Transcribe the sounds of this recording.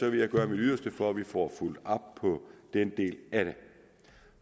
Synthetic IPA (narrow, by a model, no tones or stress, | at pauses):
ɒ̽ʋe̝jɑ̈ɪɡ̥ɶːɐmid̥yðˠɐsd̥əfɒ̽æʋifɒ̰ːful̰d̥ɑb̥̚pʰɒ̽d̥end̥e̝̰ːlæɾ̥e